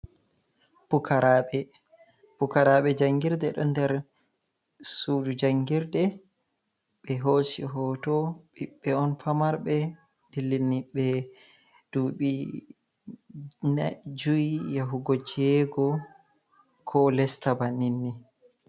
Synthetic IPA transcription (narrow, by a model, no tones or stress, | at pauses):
pukʰaɾaɓɛ | b̥ukaɾaɓɛd͡ʒaŋɡiɾdɛɗɔ̰ndɛɾ | suːdud͡ʒaŋɡiɾdɛ | ɓɛɦoːsḭɦɔtɔɓiɓːɛɔnfamaɾbɛ | d̥ilːinːiɓɛ | d̥uːɓi | nad͡ʒuijaɦuɡod͡ʒiɛɡɔ | kʰɔlɛstabaninːi